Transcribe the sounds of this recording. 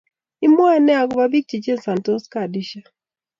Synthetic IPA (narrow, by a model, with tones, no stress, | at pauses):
i˦mɔ˦a˦nɛ˦a˨ɡba˦bi˦k̚t͡ʃi˨t͡ʃe˦nsa˨ntɔ˦ska˨di˦ʃa˦